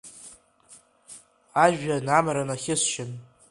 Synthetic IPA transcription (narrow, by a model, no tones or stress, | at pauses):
aʒᶣanamaɾanaχʲɪsʃɪn